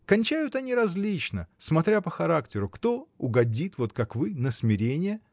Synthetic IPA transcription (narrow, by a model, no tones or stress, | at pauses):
kɐnʲt͡ɕæjʊt̪ɐnʲiɾɐzlʲit͡ɕnə̰smɐt̪ɾʲapəxɐɾaktʲɪɾʊkt̪o̞ʊɡɐdʲit̪vo̞t̪kakvɨnəsmʲɪɾʲenʲɪjə